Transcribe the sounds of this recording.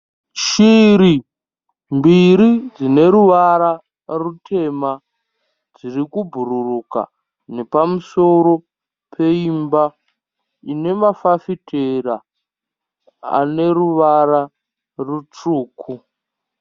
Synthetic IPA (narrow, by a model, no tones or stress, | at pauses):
ʃiɾi | mbiɾid͡zine̞ɾuʋaɾa | rutʰe̞ma | d͡zirikubʱuɾuruka̰ | ne̞pamuso̞ɾo̞ | pʰe̞imba | ine̞mafafitʰera | a̰ne̞ruʋaɾa | rut͡ʂuːkʰu